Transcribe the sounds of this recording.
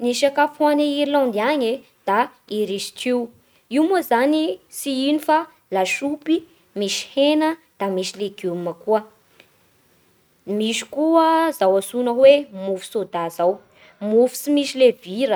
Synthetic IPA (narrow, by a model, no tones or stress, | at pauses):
niʃakafaneiɾilãnd̪iaɲe | d̪̥a | iɾiʃi̥ʈ͡ʂiw | iwmuzanisiinifa | laʃupi | miʃi̥henəd̪̥amiʃileɡuməkuə | miʃi̥kuəzawasunəwemufi̥sod̪azaw | mufu̥simiʃileviɾə